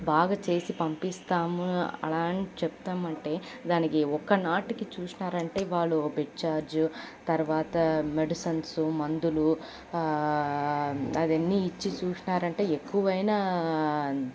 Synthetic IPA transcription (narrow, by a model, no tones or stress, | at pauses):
baːɡɐt͡ʃe̞ːsipɐmpist̪aːmɐ̰laːɳit͡ʃept̪aːmɐɳʈe̞ːd̪aːnikiɔkːɐnaːʈikit͡ʃuːsinaːɾɐɳʈe̞ːʋaːɭːubiʈ̚t͡ʃaːɾd͡ʒut̪ɐɾuʋaːt̪ɐmeɖisɐnsumɐnd̪ulu | ɐd̪ɐnːiːt͡ʃːit͡ʃuːsinaːɾɐɳʈe̞ːekːuʋɐjnaː